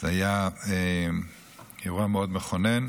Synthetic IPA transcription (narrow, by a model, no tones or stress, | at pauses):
zeajae | jaʁuameod̪meχonen